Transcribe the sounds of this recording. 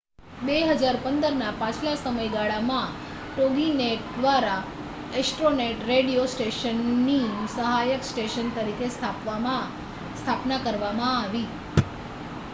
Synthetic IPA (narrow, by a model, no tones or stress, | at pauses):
beɦəd͡ʒaɾpənd̪əɾnapãt͡ʃʰlasəməjɡaɭamã | ʈoɡineʈ̚d̪ʋaɾa | esʈɾoneʈɾeɽijosʈeʃənːisəɦajəksʈeʃənt̪əɾikʰesʰapʋa | st̪ʰapnakəɾʋamãːʋi